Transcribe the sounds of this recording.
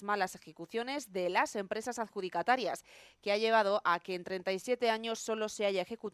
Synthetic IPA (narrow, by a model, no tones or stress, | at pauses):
malase̞xe̞kuθjo̞ne̞zðe̞lase̞mpɾe̞sasaðxuðikat̪aɾjaske̞aʎe̞β̞að̞o̞ʔake̞ːnt̪ɾe̞nt̪ajsje̞t̪e̞aɲo̞sːo̞lo̞se̞aʝae̞xe̞kut̪